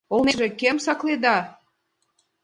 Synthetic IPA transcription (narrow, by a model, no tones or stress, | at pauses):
olneʒĕkemsɑkled̪ɑ